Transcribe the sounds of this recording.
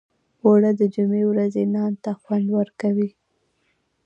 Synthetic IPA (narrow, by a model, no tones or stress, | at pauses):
woɽad̪əd͡ʒumewɾazenɑnt̪axwand̪wəɾkawi